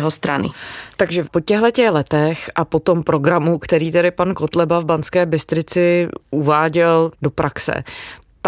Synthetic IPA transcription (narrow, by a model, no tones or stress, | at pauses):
ɦost̪ɾa̰nɪ̰t̪aɡʒɛpo̞cɛɦlɛcɛxlɛt̪ɛxʔapo̞t̪o̞mpɾo̞ɡɾamukt̪ɛɾiːt̪ɛɾɪpankot̪lɛbavbant͡skɛːbɪst̪ɾɪt͡sɪʔuvaːɟɛldo̞pɾaksɛ̰ | t̪